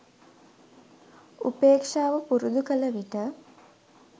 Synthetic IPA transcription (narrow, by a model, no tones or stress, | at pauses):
ṵpeːkʂaːʋəpuɾud̪ukələʋiʈə